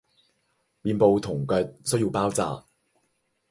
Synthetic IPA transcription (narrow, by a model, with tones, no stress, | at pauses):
miː˨˧npo˨˧wt̪ʰʊ˨˩ŋkœ˨˧t̚sɵ˥ɥjiː˨˧wpaː˥wt͡sa̰ː˨˧